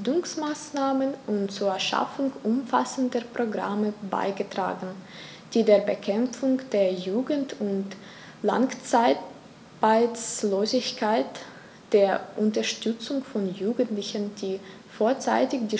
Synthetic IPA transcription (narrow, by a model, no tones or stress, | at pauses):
dʊŋsmaːsnaːmənʔʊntt͡suːɐɐʃa̰fʊŋʔʊmfa̰səndəpʁ̥oɡʁa̰məba̰ɪɡətʁ̥a̰ːɡn̩ | d̥iːdeːɐbəkʰɛmp͡fʊŋd̥eːɐjuːɡn̩tʊnt | la̰ŋt͡saɪt | b̥aɪsloːzɪçkʰaɪt | d̥eːɐʔʊntɐʃtʏt͡sʊŋfɔnjuːɡn̩tlɪçənd̥iː | foːɐt͡sa̰ɪtɪçd̥iː